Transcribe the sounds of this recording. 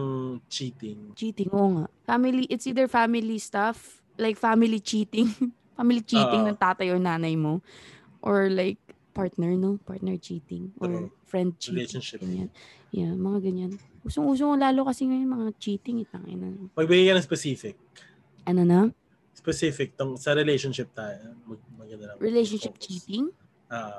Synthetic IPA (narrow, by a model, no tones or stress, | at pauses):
t͡ʃiːt̪ɪŋt͡ʃiːt̪ɪŋʔoʔoŋaʔfamɪliʔɪt̪sʔiːd̪ɛɹfamɪlist̪af | lajk̚famɪlit͡ʃiːt̪ɪŋ | famɪlit͡ʃiːɪŋnɐŋt̪aːt̪ɐjʔɔɹnaːnɐjmo | ʔɔɹlajk̚ | paɹt̪nɛɹnopa̰ɹt̪̚nɛɹt͡ʃiːt̪ɪŋʔo̰ɹfɹɛnd̪̚t͡ʃiːenʃɪɡɐɲa̰n | jamɐŋaɡɐɲan | ʔuːsoŋʔuːs̬okolaːlokɐsɪɲonʊmɐŋat͡ʃiːt̪ɪŋɪt̪̚ɐŋɪ̰nɐnomɐɡ̚bɪɡajkɐnɐŋspɛsifɪk̚ | ʔɐnonɐ | spɛsifɪk̚t̪oŋsɐɾɛlejʃonʃɪp̚t̪aːjomɐɡ̚mɐɡɐnd̪ɐlɐɹɪlejʃonʃɪp̚t͡ʃiːt̪ɪŋ | ʔoːʔo